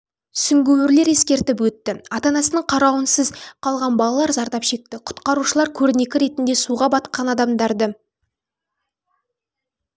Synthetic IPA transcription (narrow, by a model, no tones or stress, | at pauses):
sʏŋɡʲewɪɾle̞ɾe̞skʲe̞ɾt̪ɪp̬wɵt̪ːɪɑt̪ɑnɑsənəɴqʰɑɾɑwənsəzqʰɑlˠʁɑnbɑlˠɑlˠɑɾzɑɾt̪ɑpʃe̞k̚t̪ɪqʰʊ̥t̪qɑɾuʃəlˠɑɾkʲʰɵɾɪne̞kʲɪɾe̞t̪ɪnd̪e̞suʁɑbɑt̪̚qɑnɑd̪ɑmd̪ɑɾd̪ə